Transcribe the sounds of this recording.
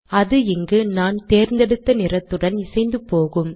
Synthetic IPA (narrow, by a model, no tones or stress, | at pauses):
ɐðɯɪŋɡɯnaːnt̪eːɾnd̪ɛɽɯt̪ːɐnɪrɐt̪ːɯɽɐnɪsɐɪnd̪ɯpoːɣɯm